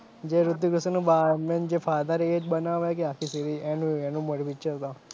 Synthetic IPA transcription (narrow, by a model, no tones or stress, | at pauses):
d͡ʒeɾʊd̪juɡɾʊsenũbamend͡ʒefʰad̪aɾeed͡ʒbənaʋekeakʰisiɾienũenũməɽʋit͡ʃəɾt̪o